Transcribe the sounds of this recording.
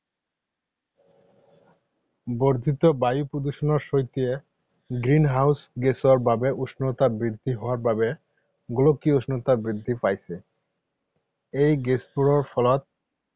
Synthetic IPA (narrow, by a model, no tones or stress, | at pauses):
boɾd̪ʱit̪obajupɾod̪uʃonoɾʃojt̪ie | ɡɾinɦawsɡesoaɾbʱabeʔuʃnot̪abɾid̪ʱːiɦɔoaɾbabe | ɡulokːioʃnot̪abɾid̪ʱːipajsʰe | ejɡespuɾoɾfɔlot̪̚